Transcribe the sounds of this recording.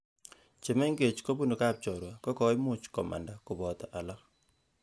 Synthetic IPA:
t͡ʃe˨me˦ŋɡe˨t͡ʃko˦bu˦no˨ka˦p̚t͡ʃɔ˨ɾwa˨kɔ˦kɔ˨˦ɪ˦mʊ˦t͡ʃkɔ˨ma̰˨nda˨kʊ˨bɔ˨t̪ɔ˨ʔa˨la˦k

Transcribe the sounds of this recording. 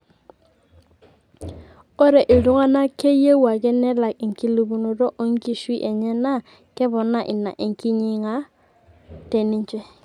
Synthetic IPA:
o˦ɾe˨ʔi˨lu˦ŋa˦na˦ke˦je˦wa˨kɛ˦nɛ˦la˨ki˨ŋki˦lu˨bu˨no˨do˦ʔo˦ŋ˦ki˦ʃi˦ʔe˨ɲɛ˦na˦˨ | kɛ˦bɔ˨nːa˦˨ʔi˨na̰˨ʔi˨ŋ˨ki˦ɲi˦ŋa˦ | te˨ni˦ɲt͡ʃɛ˦˨

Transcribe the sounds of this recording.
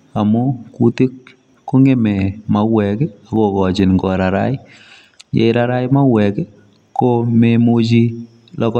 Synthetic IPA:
a˨mʊ˦ku˦ti˦kː | o˦ŋe˦mɛ˨ma˨wwɛ˨kɛ˦a˨ko˨kɔ˨t͡ʃɪ˨nŋɡɔ˨ɾa˨ɾa̰˦j | jḛ˨˦ɾaɾa˦jma˦wɛ˨kɛ˦ | ko˦me˦mu˦t͡ʃi˦ | lɔ˦k

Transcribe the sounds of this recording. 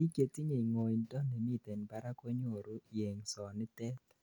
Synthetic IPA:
i˦ke˨ti˦ɲe˨i˨ŋo˨i˨ntɔ˦nɛ˨mi˦t̪e˨npa˨ɾa˦ko˦ɲo˨ɾu˦je˨ŋsɔ˨nɪ˦t̪ɛ˦t̪

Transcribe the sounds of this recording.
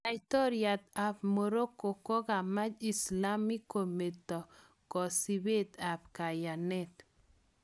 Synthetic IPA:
a˨jt̪ɔ˦ɾja˨t̪a˨pmo˨ɾo˦ko˨kɔ˦ka˨ma˦d͡ʒi˨sla˦mi˦kːo˨me˨t̪ɔ˨ | kɔ˨si˨be˦t̪a˨pka˨ja˨nɛ˦t̪

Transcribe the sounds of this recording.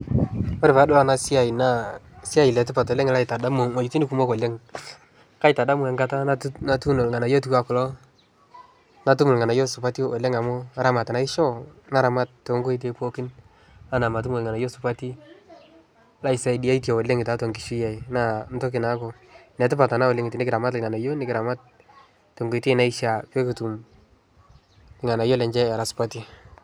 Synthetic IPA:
ɔ˦ɾɪ˨pa˨˦dʊ˦a˦na˨sɪ˦a˨i˨na˨sɪ˦a˦˨i˨lɛ˨tɪ˦pa˨tɔ˨le˦ŋ˦la˦i˨ta˨da˦mo˨ŋa˨t͡ʃu˨ti˦ni˦ku˨mo˦kɔ˨le˦ŋ | ka˦ɪ˨ta˨da˦mu˦ɛ˨ŋɡa˦ta˦nna˦tu˦no˨lŋa˨na˨jo˦tu˦ka˦kʊ˨lɔ˦ | na˨tu˦mʊ˨lŋa˨na˨jo˦sʊ˨pa˦ti˦ɔ˨le˦ŋa˨mo˦a˨ɾa˦ma˨ta˨na˨˦ɪ˦ʃɔ˦na˦ɾa˨ma˦t̚te˨˦ŋɡo˦i˦t̬e˦po˦kɪ˦n | a˦na˨ma˨t̬u˦mo˨lŋa˨na˨jo˦sʊpa˦ti˦ | la˦ɪ˨sa˨i˨di˨a˦i˦tja˨wɔ˨le˦ŋɪ˨ta˨˦to˨ŋkɪ˨ʃi˦ja˨i˨na˦nto˦k̬ɪ˨na˦ko˨ | nɛ˨tɪ˦pa˨ta˨na˦wo˨le˦ŋɪ˨tɪ˨nɪ˦kɪɾa˨ma˦tlŋa˨na˨jo˦nɪ˦kɪɾa˨ma˦t̚ | tːo˨ŋɡo˨ti˦na˦ɪ˦ʃa˨pe˦ku˨tu˨m | lɪ˨ŋa˨na˨jo˦lɛ˨ɲd͡ʒɛ˦ɛ˨ɾa˨sʊ̥˨pa˦ti˦

